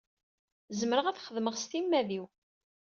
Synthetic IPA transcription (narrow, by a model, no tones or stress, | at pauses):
zəməɾəʁæθχəðməʁst̪imːæðiw